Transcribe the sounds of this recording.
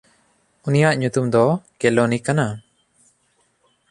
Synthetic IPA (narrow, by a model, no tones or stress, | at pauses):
unijaʔɲut̪umd̪ɔkɛlɔnikana